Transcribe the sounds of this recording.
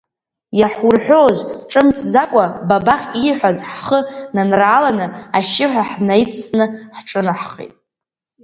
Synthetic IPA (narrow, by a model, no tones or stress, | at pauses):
jaħʷurħʷᶣozʈ͡ʂʼɨmt͡sʼʰzakʷʼababaχʲiħʷazħχənanraːlanɨaʃɪħᶣʷaħnajt͡sʰʼnɨħʈ͡ʂʼɨnaħχḭtʼ